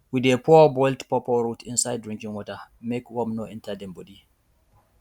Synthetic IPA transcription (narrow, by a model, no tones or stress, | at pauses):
widepʰɔbɔjltpɔpɔɹutʰĩnsajd̚dːɹĩŋkĩŋwɔtamekwɔmnoɛ̃ntadɛ̃mbɔdi